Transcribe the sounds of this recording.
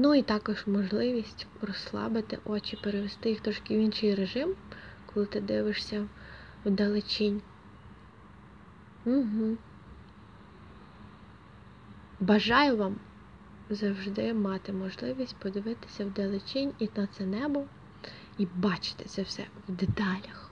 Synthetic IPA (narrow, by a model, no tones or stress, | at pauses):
nuit̪ɑkɔʒmɔʒlˠɪʋʲisʲtʲrɔslˠɑ̰bɪt̪ɪ̰ʔɔt͡ʃipeɾeʋest̪ɪjixt̪ɾɔʃkʲɪwʲinʃɪjreʒɪmkɔlˠɪt̪ɪd̪ɪʋɪʃsʲɐ | wd̪elˠɪt͡ʃinʲ | m̩ɦm̩ | bɐʒɑjʊʋɑm | zɐwʒd̪ɪmɑt̪ɪmɔʒlˠɪʋʲisʲtʲpɔd̪ɪʋɪt̪ɪ̥sʲɐwd̪elˠɪt͡ʃinʲinɐt̪sɛnɛbɔ | ibɑt͡ʃɪ̥t̪ɪ̥sʲɐwsɛ̰wd̪et̪ɑlʲɐx